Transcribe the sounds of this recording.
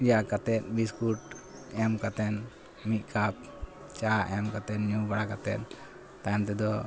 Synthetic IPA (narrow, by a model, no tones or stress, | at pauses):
jakat̪ɛt̪̚ˀbiskuʈ | ɛmkat̪ɛn | mit̪̚ˀkap̚ | t͡ʃaɛmkat̪ɛnɲubaɽakat̪ɛt̪̚ | t̪aant̪ɛd̪ɔ